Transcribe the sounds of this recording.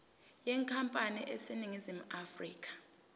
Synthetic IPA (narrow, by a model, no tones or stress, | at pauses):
jɛŋkʰampʼaniʔɛsiniŋizimuʔafrḭːk̬ʰʼḁ